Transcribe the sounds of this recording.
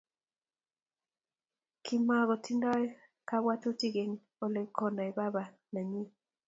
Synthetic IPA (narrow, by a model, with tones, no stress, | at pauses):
kʰi˨ma˨ɡɔ˨ti˦ndɔ˦ | ka˦wa˦tu˦ti˦ɡe˨n | o˨le˨kʰɔ˨na˨i˨ba˦ba˨ | na˨ɲi˦